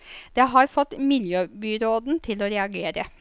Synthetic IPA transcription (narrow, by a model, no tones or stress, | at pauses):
d̪̥ɛɦɑɾfɔt̪ːmɪljøːbyːɾoːd̪n̩t̪ʰɪlɔɾɛɑɡeːɾə